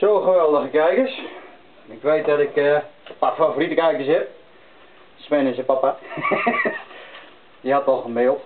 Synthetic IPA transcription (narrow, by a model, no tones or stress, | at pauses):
soːxəʋɛlˠdəxəkɛjkəs | ɪkʋeːt̚dɔtɪkəəpafaforitəkɛjkəsɛp̚ | spɛnəsəpapa | dihatʋɔlˠxəmɪːlˠt